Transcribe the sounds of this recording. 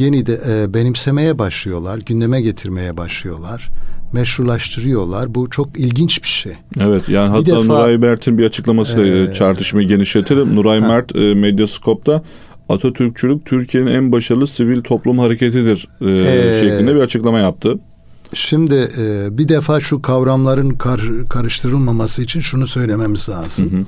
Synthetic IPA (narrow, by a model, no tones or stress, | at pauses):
jenid̪ɛʔɛbe̞nimse̞me̞jɛbaʃlˠɯjo̞lˠaɾɟynd̪e̞mɛɟe̞t̪ʰiɾme̞jɛbaʃlˠɯjo̞lˠaɾ̥mɛʃɾuɾlˠaʃt̪ʰɯɾɯjo̞lˠaɾbut͡ʃʰo̞kilʲɟint͡ʃbiʃejevɛt̪jaːniɦat̪d̪ːaːnuɾajmæɾt̪ʰinbiɾat͡ʃʰɯ̥klˠamasɯd̪at͡ʃʰaɾt̪ʰɯʃmajɟe̞niʃlʲe̞t̪ʰeɾimnuɾajmæɾt̪ʰːmed̪jaskʰo̞p̚t̪ʰa | at̪ʰot̪ʰyɾc̚t͡ʃʰylʲyc̚t̪ʰyɾcʰije̞ninænbaʃaɾɯlˠɯsivilʲt̪ʰo̞plˠumhaɾe̞cʰe̞t̪ʰid̪iɾː | ʃɛclʲind̪ɛbiɾat͡ʃʰɯklˠamajap̚t̪ʰɯ | ʃimd̪ɪɛbid̪efaːʃukʰavɾamlˠaɾɯnkʰaɾkʰaɾɯʃt̪ʰɯɾɯlˠmamasɯit͡ʃʰinʃunusø̞jlʲe̞memizlaːz̥ɯn